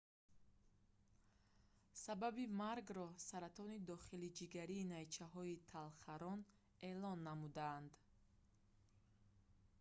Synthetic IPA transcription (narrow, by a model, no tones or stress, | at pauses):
sababimaɾɡɾɔsaɾat̪ʰɔnid̪ɔχilid͡ʒiɡaɾiːnait͡ʃʰaɦɔit̪ʰalχaɾɔn | e̞lɔnːamud̪aːnd̪